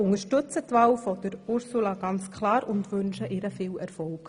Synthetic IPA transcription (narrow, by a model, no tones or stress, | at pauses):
ʊŋəʃtɵt͡sətʋɑːwfɔd̥̪əɾʊɾsulɑɡ̥ɑnt͡skʰlɑːɾʊndʋʏnʃəʔɪɾəfɪːlɛɾfɔlk